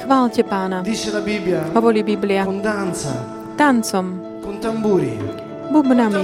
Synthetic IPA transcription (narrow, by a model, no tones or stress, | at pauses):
xʋaːlcɛpaːnad̪it͡ʃelabibljaɦɔʋɔɾiːbiblɪand̪ant̪sa̰ | t̪ant͡sɔm | kont̪ambuːɾḭ | bubnam